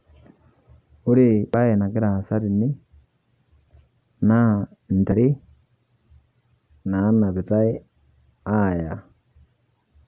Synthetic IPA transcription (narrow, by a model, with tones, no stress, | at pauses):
u˦ɾi˦˨ɓa˦jɛ˨na˨ɡi˦ɾa˨sa˦ɾi˨ni˦ | na˦n̩˨ta˨ɾi˦ | na˨˦na˨bi˨ta˦i˦ | a˦˨ja˨